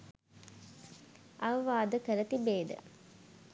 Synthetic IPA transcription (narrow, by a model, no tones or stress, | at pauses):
ʔɐʋɐʋaːd̪əkəɾət̪ibeːd̪ə̰